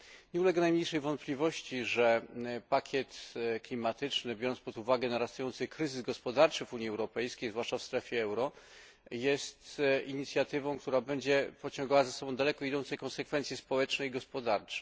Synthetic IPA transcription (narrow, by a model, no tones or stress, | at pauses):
ɲɛulɛɡɛnajmɲejʂɛjvɔnt̪̚pʲlʲivɔɕt͡ɕiʐɛpakʲjɛt̪klʲimat̪ɘt͡ʂnɘbʲjɔɾɔnspɔd̪uvaɡɛnaɾast̪ujɔnt̪sɘkɾɘzɘzɡɔspɔd̪aɾt͡ʂɘvuɲjiɛwɾɔpɛjskʲejzvwaʂt͡ʂafst̪ɾɛfʲjɛɛwɾɔ | jɛst̪ʔiɲit̪sʲjat̪ɘvɔ̃w̃kt̪uɾabɛɲd͡ʑɛpɔt͡ɕɔ̃ŋɡawazasɔbɔ̃w̃d̪alɛkɔid̪ɔnt̪sɛjkɔ̃nsɛkfɛnt̪sjispɔwɛt͡ʂnɛiɡɔspɔd̪aɾt͡ʂɛ̥